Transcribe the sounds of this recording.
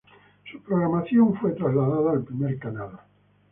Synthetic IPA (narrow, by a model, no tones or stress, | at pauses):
supɾoɣɾamaθjoɱfwet̪ɾazlaðaðaːlpɾimeɾkanal